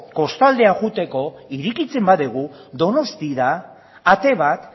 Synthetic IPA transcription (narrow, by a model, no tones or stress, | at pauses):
ko̞st̪ald̪e̞aʝut̪e̞ko̞iɾikit͡se̞mbaðeɣ̞u | d̪o̞no̞st̪iðaː | t̪e̞β̞at̪